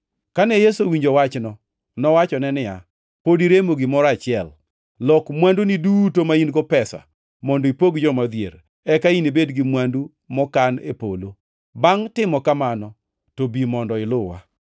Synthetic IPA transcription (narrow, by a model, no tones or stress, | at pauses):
kanɛjesowiɲd͡ʒowat͡ʃnɔ | nɔwat͡ʃɔnɛnɪja̰ | podiɾemoɡimɔɾat͡ʃɪɛl | lɔkmwandunidutomainɡɔpɛsa̰ | mɔndoipoɡd͡ʒɔmad̪jḛɾ | ɛkainibedɡɪmwandu | mɔkanḛpo̰lo | baŋtɪmɔkamanɔ | tobimɔndɔɪlʊwa̰